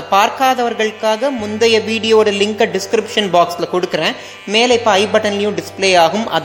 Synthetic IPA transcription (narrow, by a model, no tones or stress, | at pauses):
ɐpaːɾkaːðɐʋɐɾɣɐɭɯkːaːɣɐmʊnd̪ɐjɐʋiːɽɪjoːɽɐlɪŋkɐɖɪskɾɪpʂɐnbaːkslɐkɔɽɯkːɪrẽː | meːlɐɪpːɐɐɪbɐʈːɐnlɐjʊ̃ɖɪspleːaːɣɯmɐ̰ð